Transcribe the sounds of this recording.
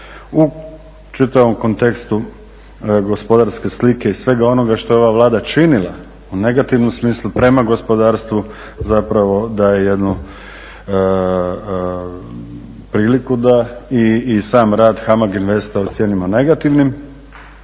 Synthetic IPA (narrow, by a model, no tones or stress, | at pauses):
u | t͡ʃit̪aʋo̞mko̞nt̪e̞kst̪u | ɡo̞spo̞d̪aɾske̞slike̞isʋe̞ɡao̞no̞ɡaʃt̪o̞jeo̞ʋaʋlˠaːd̪at͡ʃinilˠa̰ | une̞ɡat̪iʋnomsmiːslˠupɾe̞maɡo̞spo̞d̪aːɾst̪ʋu | zapɾaʋo̞d̪ajeje̞d̪nu | pɾiːlikud̪aiːsaːmɾaːd̪xamaɡinʋe̞st̪aot̪sʲje̞ːnimane̞ɡat̪iʋnim